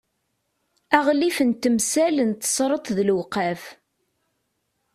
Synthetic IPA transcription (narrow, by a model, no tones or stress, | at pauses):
æʁlifənt̪ːəmsælnt̪ːə̥sˤɾˤət̪ˤðlwqæf